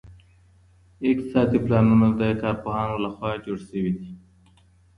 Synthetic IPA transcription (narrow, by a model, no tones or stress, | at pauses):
ɪkt̪ɪ̥sɑd̪iplɑnunad̪əkɑɾpoɦɑnolaxwɑd͡ʒoɽsəwid̪i